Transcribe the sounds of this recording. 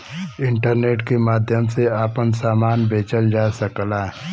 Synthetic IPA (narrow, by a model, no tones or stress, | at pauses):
ɪ̃ɳʈəɾneːʈkemaːd̪ʱjəmseaːpənsaːmaːnbʱeːt͡ʃəld͡ʒaːsəklaː